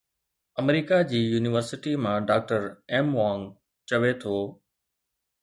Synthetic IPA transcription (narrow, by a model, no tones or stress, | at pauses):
əmɾiːkad͡ʑiːjuːnɪʋəɾsɪʈimãɖaːk̚ʈəɾɛːmʋãːŋ | t͡ɕɐʋet̪ʰoː